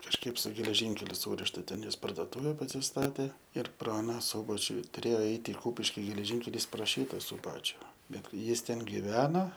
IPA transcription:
kɐʃˈkɐɪp sʊ ɡʲɛlʲɛˈʒʲɪŋʲkʲɛlʲʊ ˈsuːrʲɪʃtɐ ˈtʲɛn ˈjɪs pɐrdoːˈtuːʋʲɛ pɐsʲɪsˈtɑːtʲeː ɪr ˈprɐ ɐˈnɐ ˈsuːbɐt͡ʃʲʊ tʊˈrʲeːjoː ˈɛɪt ɪ ˈkuːpʲɪʃʲkʲɪ ɡʲɛlʲɛˈʒʲiːŋʲkʲɛlʲiːs proː ˈʃʲiːtɐ sʊˈbɑːt͡ʃʲʊ ˈbʲɛt ˈjɪs ˈtʲɛn ɡʲɪˈʋʲæːnɐ

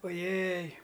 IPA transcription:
oːˈjɛj

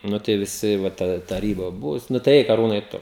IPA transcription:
ˈnʊ tɐɪ ʋʲɪˈsʲɪ ʋɐ tɐˈdɐ tɐˈrʲiːbɐ ˈbʊʋʊs ˈnʊ tɐɪ ˈɛɪk ɐˈruːnɐɪ ˈtʊ

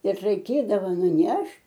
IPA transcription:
ɪr rɐɪˈkʲeːdɐʋɐ nʊˈnʲɛʃʲtʲ

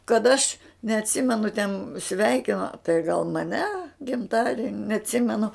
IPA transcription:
kɐt ɐʃ nʲɛɐtʲˈsʲɪmʲɛnʊ tʲɛn ˈsʲʋʲɛɪkʲɪnoː tɐɪ ɡɐlˠ mɐˈnʲɛ ɡʲɪmˈtɑːdʲiɛnʲɪ nʲɛɐtʲˈsʲɪmʲɛnʊ

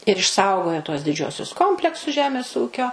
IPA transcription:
ɪr ɪʃˈsɐʊɡoːjoː tuɔs dʲɪˈd͡ʒʲuɔsʲʊs ˈkoːmʲpʲlʲɛksʊs ˈʒʲæːmʲeːs ˈuːkʲoː

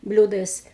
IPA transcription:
ˈbʲlʲuːdɐɪs

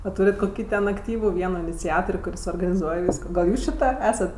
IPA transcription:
ɐ ˈtuːrʲɪt koːˈkʲiː tʲɛn ɐkˈtʲiːʋʊ ˈʋʲiɛnoː ɪnʲɪt͡sʲɛtoːrʲ kʊˈrʲɪs oːrɡɐnʲɪˈzuɔj ˈʋʲiːskoː ɡɐlˠ ˈjuːs t͡ʃʲɪ ˈtɐ ˈæːsɐt

